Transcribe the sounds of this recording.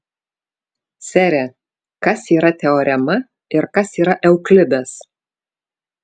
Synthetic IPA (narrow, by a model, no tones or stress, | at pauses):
sʲɛɾʲɛ | kɐsiːɾɐt̪ʲɛɔɾʲɛmɐ | ɪɾkɐsiːɾɐʔɛʊklʲɪbʲɛs